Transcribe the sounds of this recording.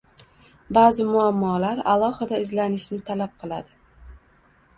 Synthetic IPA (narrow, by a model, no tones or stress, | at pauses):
bazɪmʊamːɒlaɾa̰lˠɒhɪd̪aɪzlanɪʃnɪt̪ʰalap̚qʰɨlˠad̪ɪ